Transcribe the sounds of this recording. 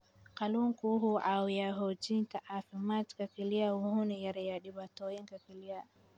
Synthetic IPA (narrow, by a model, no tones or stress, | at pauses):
kaluŋkuɦuʔawjaɦod͡ʒintaʔafimatkakilijawuhunijaɾjaɗibatoːjiŋkakilija